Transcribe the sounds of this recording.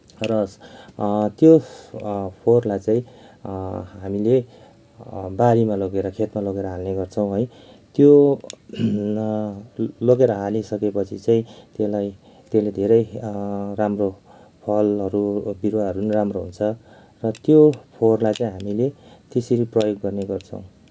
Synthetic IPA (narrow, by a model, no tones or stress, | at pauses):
rʌs | t̪jo | pʰorlajt͡saĩ | ɦamile | baɾimaloɡeɾʌkʰet̪maloɡeɾʌɦalneɡʌrt͡sʰʌ̃w̃ɦʌj | t̪jo | loɡeɾʌɦalisʌkepʌt͡sʰit͡saĩt̪elaj | t̪eled̪ʱeɾʌjramro | pʰʌlɦʌɾubiɾwaɦʌɾunramroɦunt͡sʰʌ | rʌt̪jopʰorlajt͡saĩɦamilet̪esiɾiprʌjoɡːʌrneɡʌrt͡sʰʌ̰̃w̃